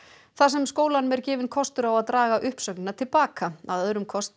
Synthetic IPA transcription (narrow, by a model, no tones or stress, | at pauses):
θasɛmskoːwlanʏmɛɾ̥cɪːvɪnkʰɔst̪ʏɾawaðt̪ɾaːɣaʔʏhpsœknɪnːat̪ʰɪlpaːkaaðœðɾʏmkʰɔst̪